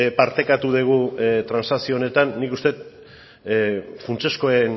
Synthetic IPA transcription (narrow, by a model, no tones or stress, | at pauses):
paɾt̪e̞kat̪uð̞eɣ̞ut̪ɾansasione̞t̪anːikust̪e̞t̪̚ | funt͡ʃe̞sko̞en